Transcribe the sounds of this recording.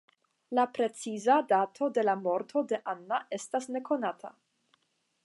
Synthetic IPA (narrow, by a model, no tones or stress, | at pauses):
lapɾe̞t͡sizadatʰo̞de̞lamo̞ɾtʰo̞de̞ʔanːaʔe̞stasne̞kʰo̞natʰa